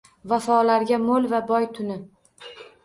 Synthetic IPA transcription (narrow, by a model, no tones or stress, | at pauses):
vafɒlaɾɡʲamolvabɒjt̪ʰʊnɪ